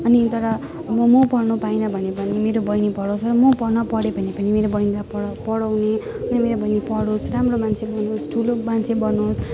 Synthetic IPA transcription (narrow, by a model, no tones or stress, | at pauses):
ʌnit̪ʌɾʌ | mʌmʌpʌrnupajnʌbʱʌnepʌnimeɾobʌjnipʌɽõsʰʌɾʌmʌpʌrnʌpʌɽebʱʌnepʌnimeɾobʌjnid̪appʌɽʌwne | nimeɾobʌjnipʌɽosramromant͡sʰebʌnosʈʰulomant͡sʰebʌnos